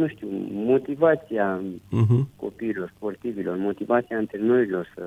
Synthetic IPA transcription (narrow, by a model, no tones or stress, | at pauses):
nuʃt̪ʲumot̪ivat̪sia | ko̰piːloɾsport̪iviloɾmot̪ivat̪sijaɨnt̪eɾenoɾiloɾs